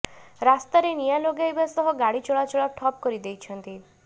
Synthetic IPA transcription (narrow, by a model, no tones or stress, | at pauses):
ɾast̪aɾenijaloɡajbasɔɦɔɡaɽit͡ʃɔɭat͡ʃɔɭɔʈʰɔp̚kɔɾid̪ejt͡ʃʰɔnt̪i